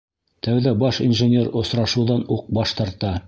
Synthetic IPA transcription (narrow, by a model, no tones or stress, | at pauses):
t̪æwðæbɑʃinʒɘ̆nʲeɾŏsɾɑʃɤ̆wðɑnuq̚bɑʃt̪ɑɾt̪ɑ